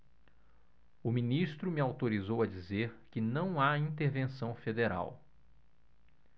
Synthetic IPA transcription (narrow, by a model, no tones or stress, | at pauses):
ʊmĩnist̪ɾʊmɪawt̪oɾizowɐd͡ʒizeɾkɪnɐ̃w̃aĩnt̪eɾvẽsɐ̃w̃fed̪eɾa̰w